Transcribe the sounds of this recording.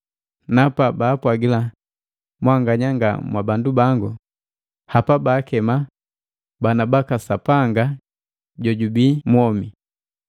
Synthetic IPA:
napabaːpwaɡila | mwaŋɡaɲaŋɡa̰mwabandubaŋɡu | hapabaːkɛma | banabakasapaŋɡa | ɟɔɟubiːmɔmi

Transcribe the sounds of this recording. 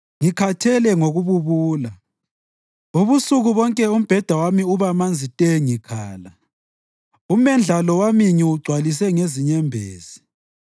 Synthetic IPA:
ŋikʰatʰɛlɛŋoɣuβuβuːla | uβusuɣuβɔŋkʼɛum̩b̥ʱɛd̥ʱawamiuβamand͡zʱitʼɛŋikʰaːla | umɛnd͡ɮʱalɔwamiŋiwuɡ͡ǀʱwalis̬ɛŋeziɲɛmbʱeːz̥i̥

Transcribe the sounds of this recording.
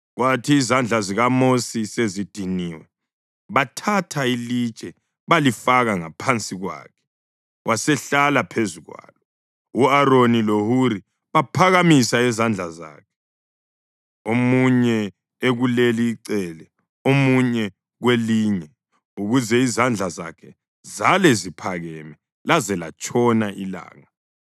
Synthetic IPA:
ɣwatʰiːzand͡ɮʱaziɣamosisezid̥ʱiniːwɛ | βatʰatʰailit͡ʃʼɛ | βalifaɣaŋapʰant͡sʼiɣwa̰ːkʰɛ̥ | wʔasɛɬalapʰezuɣwa̰ːlɔ | uaɾonilohuɾi | βapʰaɣamisaɛzand͡ɮʱaza̰ːkʰɛ̥ | omuɲɛ | eɣuleliːǀɛːlɛ | omuɲɛ | ɣweliːɲɛ | uɣuzɛizand͡ɮʱaza̰kʰɛ | zalɛzipʰaɣɛmɛ | lazɛla̰t͡ʃʼʰɔnaʔila̰ːŋa

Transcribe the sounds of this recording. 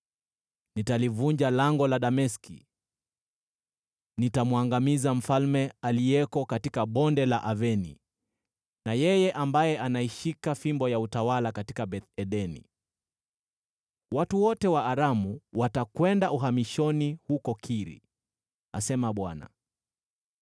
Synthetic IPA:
nitalivuɲd͡ʒalaŋɡɔlaɗamɛskḭ | nitamwaŋɡamizam̩falmɛaliɛkɔkatikaɓɔndɛlaʔavɛnḭ | najɛjɛʔambajɛʔanaiʃikafimbɔjautawalakatikaɓɛtɛɗɛnḭ | watuwɔtɛwaːɾamuwatakwɛndauɦamiʃɔnihukɔkʰiɾḭ | a̰sɛmaɓwana̰

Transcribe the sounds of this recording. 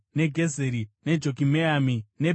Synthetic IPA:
neɡʱezeɾine̞d͡ʒokimeamine

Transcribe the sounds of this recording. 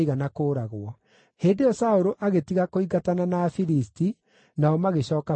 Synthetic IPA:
iɣanakoːɾaɣwɔ | heːndejɔsaoɾoʔaɣetiɣakoiɣatananaːfiɾisti | naɔmaɣeɕɔːka

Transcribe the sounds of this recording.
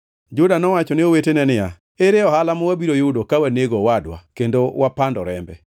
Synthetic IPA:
d͡ʒʊdanɔwat͡ʃɔnɪowetenɛnɪja | eɾɪɔhalamɔwabiɾojuudokawaneɡowadwa̰kendowapandɔɾɛmbɛ

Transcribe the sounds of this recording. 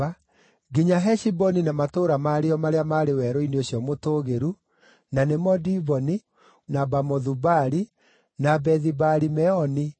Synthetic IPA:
a | ɡiɲaɦɛʃibɔninamatoːɾamaɾeɔmaɾeamaɾewɛɾɔineoɕjɔmotoːɣeɾu | nanemɔdiβɔni | nabamɔðubaɾi | nabɛðibaɾimɛɔni

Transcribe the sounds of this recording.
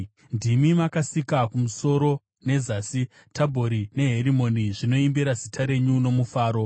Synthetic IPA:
ndimimakasikakumuso̞ɾo̞ | ne̞zaːsi | tʰabʱo̞ɾine̞ɦeɾimo̞niʐino̞imbiɾazitʰaɾe̞ɲuno̞mufaːɾo̞

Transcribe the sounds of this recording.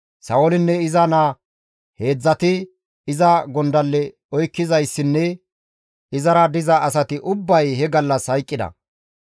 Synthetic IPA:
sɐwɔlɪnːɛɪzɐna | he̞ːd͡zːɐt̪ɪ | ɪzɐɡɔnd̪ɐlːɛ | ɔjkːɪzɐjsːɪnːɛ | ɪzɐɾɐd̪ɪzɐːsɐt̪ɪʔʊbːɐjhɛɡɐlːɐshɐjkʼːɪd̪ɐ̰

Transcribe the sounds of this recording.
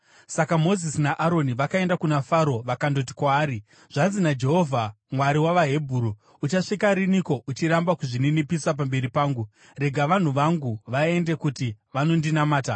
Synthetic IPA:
sakamo̞zisinaʔaɾo̞niʋakae̞ndakunafaɾo̞ʋakando̞t̬i̥kwaːɾi | ʐ̥anzinad͡ʒe̞ɦo̞vʱa | mwaɾiwaʋaɦe̞bʱuːɾu | ut͡ʃaʂikaɾiniko̞ʔut͡ʃiɾambakuʐininipiswap̬ambe̞ɾipaːŋɡu | re̞ɡʱaʋan̤uʋaŋɡuʋae̞nde̞kutiʋano̞ndinamaːta

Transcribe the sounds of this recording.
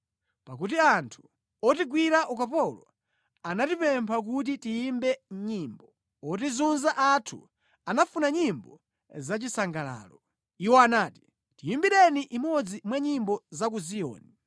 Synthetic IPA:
pakutiantʰu̥ | ɔtiɡwiɾaʔukapɔlɔ | anatipɛmpʰak̬ut̬itiimbɛɲiːmbɔ | ɔtizunzaʔatʰṵ | anafunaɲimbɔ | zat͡ʃisaŋɡala̰ːlɔ | iwɔanaːti̥ | tiimbiɾɛniʔimɔd͡zimwaɲimbɔzak̬uzijɔ̰ːni

